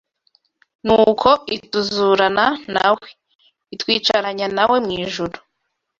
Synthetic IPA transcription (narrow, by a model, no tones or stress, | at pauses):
nuːkʰo̞ituzuːɾanana̰we | itwiːt͡ʃaɾaɲanawe̞mŋiːʒuɾu